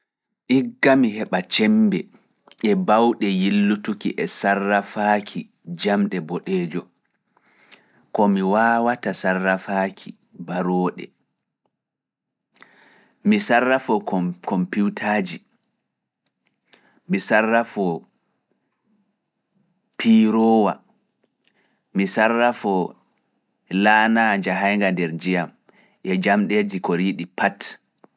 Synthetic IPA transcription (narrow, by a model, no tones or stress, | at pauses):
ʔiɡːamiɦɛɓat͡ʃɛmbɛ | ʔɛbawɗɛjilːutukiʔɛsarːafaːkʰi | d͡ʒamɗɛbɔɗɛːd͡ʒɔ | kɔmiwaːwatasarːafaːkʰi | baɾɔːɗɛ̰ | misarːafɔkɔmpuwtʰaːd͡ʒi | misarːafɔ | piɾɔːwa | misarːafɔ | lanad͡ʒaɦajŋɡandɛɾd͡ʒijam | ʔɛd͡ʒamɗed͡ʒikɔɾiɗipat